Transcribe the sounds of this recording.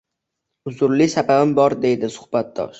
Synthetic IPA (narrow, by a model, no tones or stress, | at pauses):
ʊzʊɾlisababɪmbɒɾd̪e̞jd̪ɪsʊ̥hb̥at̪̚d̪ɒ̰ʃ